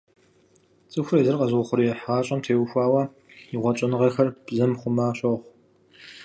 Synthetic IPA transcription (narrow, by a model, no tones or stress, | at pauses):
t͡sʼɨxʷʊrezɨrqʼɐzʊχʷʊɾijɛħʁaːɕʼɐmtʰeːwxʷɑːwɐ | iʁʷɔt͡ʃʼɐnɨʁɐxɐrbzɐmχʷʊmaːɕʼɐʁʷ